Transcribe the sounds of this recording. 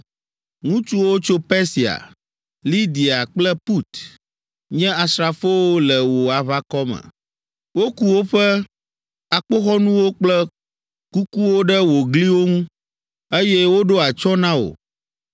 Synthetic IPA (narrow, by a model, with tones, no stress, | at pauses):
ŋũ˦t͡ʃu˦wo˦t͡ʃo˦pɛ˦si˨a̰˨ | li˦d̪i˨a˨k͡plɛ˦pu˦t̪ | ɲɛ̃˦a˨sɾa˨fo˦wo˦lɛ˨wo˨a˨βa˦kɔ˦mɛ̰̃˨ | wo˦ku˦wo˦ɸɛ˦ | a˨k͡po˦xɔ˦nũ˦wo˦k͡plɛ˦ | ku˦ku˦wo˦ɖɛ˦wo˨ɡli˦wo˦ŋũ˦ | e˦jɛ˦wo˦ɖo˦a˨t͡ʃɔ˦nã˦wo̰˨